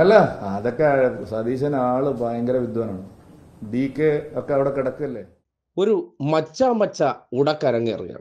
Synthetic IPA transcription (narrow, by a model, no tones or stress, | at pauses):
ɐlːɐɐðokːesɐd̪iːɕɐnaːɭɨpaːjɐŋɡɐɾɐʋid̪ʱʋɐːnaːɳɨɖiːkːeokːeɐʋiɽekiɽɐkːuɐlːeː | o̞ɾumɐt͡ɕːamɐt͡ɕːɐuɽɐkːɐɾɐŋːijɐ̰rḭkːa̰ː